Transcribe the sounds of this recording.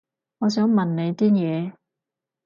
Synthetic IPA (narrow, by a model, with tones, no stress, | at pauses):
ŋɔː˨˧sœː˨˥ŋmɐ˨nne˨˧jt̪iː˥njɛː˨˧